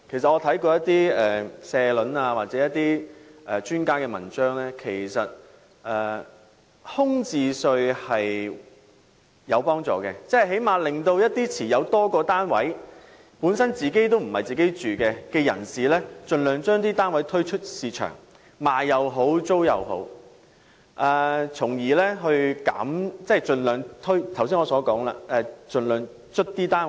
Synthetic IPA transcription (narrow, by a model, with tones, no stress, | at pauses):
kʰe˨˩js̬ɐ˨t̚ɔː˨˧t̪ʰɐ˨˥jkɔː˧jɐ˥t̪iː˥ɛː˨sɛː˧lɵ˨˧naː˧waː˨t̚t͡sɛː˨˥jɐ˥t̪ːiː˥ʔɛ˨t͡ʃyː˥nkaː˥kɛː˧mɐ̰˨˩nt͡ʃœː˥ŋlɛː˥kʰe˨˩jsɐ˨t̚ | ʔɛː˨ | hʊ˥ŋt͡siː˨˧sɵ˧ɥhɐ˨j | jɐ˨˧wpɔː˥ŋt͡sɔ̰ː˨˩kɛː˧t͡sɛ˥˨ɦe˨˥jmaː˨˧lɪ˨ŋt̪o˧wjɐ˥t̚t̪iː˥t͡sʰiː˨˩jɐ˨˧wt̪ɔː˥kɔː˧t̪aː˥nwɐ˨˥j | puː˨˥nsɐ˥nt͡siː˨ke˥jt̪o˥wm̩˨˩hɐ˨jt͡siː˨˩ke˥jt͡ʃyː˨kɛː˧kɛː˧jɐ̰˨˩nsiː˨lɛː˥t͡ʃɵ˧nlœː˨˧ŋt͡ʃœː˥ŋt̪iː˥t̪aː˥nwɐ˨˥jt̪ʰɵ˥ɥt͡ʃʰɵ˥t̚siː˨t͡ʃʰœ̰ː˨˩ŋ | maː˨jjɐ˨wɦo˨˥wt͡so˥wjɐ̰˨˧wɦo̰˨˥w | ʔɐː˨˧t͡sʰʊ˨˩ŋjiː˨˩lɛː˥ɦɵ˧ɥka̰ː˨˥mt͡sɛ˥˨t͡ʃɵ˧nlœː˨˧ŋt̪ʰɵ˥ɥt̪ʰws̬iː˥nŋɔː˨˧sɔː˨˥kɔː˨˥ŋla̰ː˧ʔɛ˧t͡ʃɵ˨˧nlœː˨ŋ | t͡ʃʰɵ˥t̚t̪iː˥t̪aː˥n